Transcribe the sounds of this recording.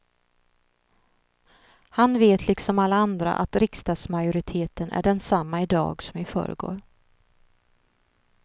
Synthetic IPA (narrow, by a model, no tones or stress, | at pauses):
hanveːt̪ʰlɪksɔmalːaand̪ɾa̰ʔa̰t̪ɾɪkst̪ɑːɡ̪smajʊɾɪt̪ʰeːt̪ənʔæ̰ɖɛnsamːaɪd̪ɑ̰ːɡsɔmvɪfœ̰ːɾə̰ɡo̰ːɾ